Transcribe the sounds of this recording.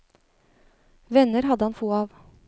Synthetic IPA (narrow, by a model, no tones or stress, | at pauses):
ʋɛnəɾhɑd̪əhɑnfoːɑːʋ